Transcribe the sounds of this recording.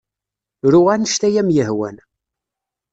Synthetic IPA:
ɾuʁænəʃt̪æjæmjəhwæ̰n

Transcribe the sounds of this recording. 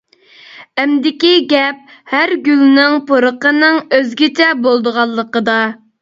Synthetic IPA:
ɛmd̪ɪkʲiɡʲɛp̚hæɾɡʲylnɪŋpʰoɾəqənɨŋøzɡʲɪt͡ʃʰɛbolˠd̪əʁɑlˠːəqəd̪ɑ

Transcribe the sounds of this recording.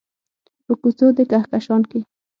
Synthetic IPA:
pəkʊt͡sod̪ekahkaʃɑnke

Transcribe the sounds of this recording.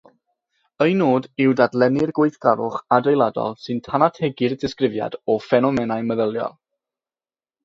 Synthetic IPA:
əjnoːdɪwdadlˠɛnɪrɡwejθɡ̥aɾʊχadejlˠadɔ̰lˠsɨntʰanatʰɛɡɪrdɪskrɪvja̰dɔfɛnɔmɛnajməðəlˠjɔ̰lˠ

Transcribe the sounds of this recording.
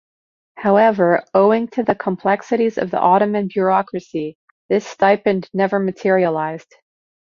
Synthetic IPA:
haʊɛvə˞oʊɪ̃ŋtʰɨðɨkʰə̃mpʰl̥ɛksɨɾizʌ̰vðḭʔɑɾɨmɨ̃nbjʊ˞ɑkɹɨsi | ðɪstaɪpɨ̃nnɛvə˞mɨtʰɪɹiəlaɪz̥d̥

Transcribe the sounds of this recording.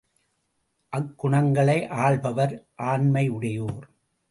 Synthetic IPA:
ʔɐkːʊɳɐŋɡɐɭɐɪʔaːɭbɐʋɐɾʔaːnmɐɪʊɽɐjoːɾ

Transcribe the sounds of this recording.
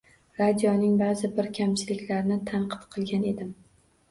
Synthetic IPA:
ɾad̪ijɒnɪŋbazɪbɪɾkʲʰamt͡ʃʰɪlɪkʲlaɾnɪt̪ʰaɴqʰɨ̥t̪qʰɨlˠɡʲane̞d̪ɪm

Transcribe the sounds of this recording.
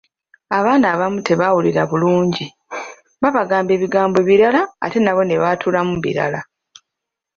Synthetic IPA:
aβaːnaːβamutʰe̞βawuliɾaβuluːɲɟi | βaβaɡaːmbe̞ːβiɡaːmbo̞βiɾala̰ːte̞naβo̞ne̞βatʰulamuβḭɾa̰la

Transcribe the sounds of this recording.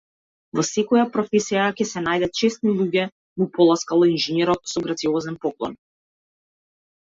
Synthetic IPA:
vɔsɛkɔjapɾɔfɛsijakʲɛsɛnajd̪at̪̚t͡ʃɛst̪nilˠuɡʲɛ | mupɔlˠaskalˠɔinʒɛnɛɾɔt̪̚sɔɡɾat̪siɔzɛnpɔklˠɔ̰n

